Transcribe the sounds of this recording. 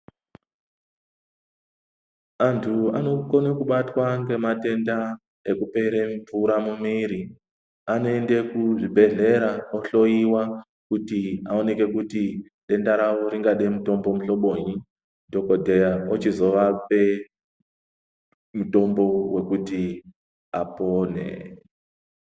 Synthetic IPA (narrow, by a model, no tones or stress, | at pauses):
antʰuano̞konekuɓatwaŋɡe̞mate̞nda | e̞kupe̞ɾeɱvuɾamumiːɾi | anoe̞nde̞kuʐibʱe̞ɮe̞ɾaoɬo̞iwa | kutiao̞ne̞ke̞kuti | ɗe̞ndaɾawoɾiŋɡaɗemuto̞mbo̞muɬo̞ɓo̞ɲi | dʱo̞kodʱejaot͡ʃizo̞ʋape̞ | muto̞mbo̞we̞kuti | apoːnḛ